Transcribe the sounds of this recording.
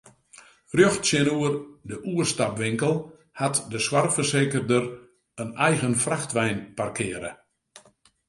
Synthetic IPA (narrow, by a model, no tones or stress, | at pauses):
rjøxtsjɪnuərdəʔuəstapʋɪŋkəlˠ | hatdəswarfərseːkərdər | ənɛjɣənfraxtʋɛjnparkʰɪːəɾə̰